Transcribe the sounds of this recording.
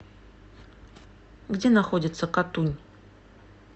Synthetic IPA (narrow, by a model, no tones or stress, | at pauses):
ɡdʲe̞naxodʲɪt̪səkat̪unʲ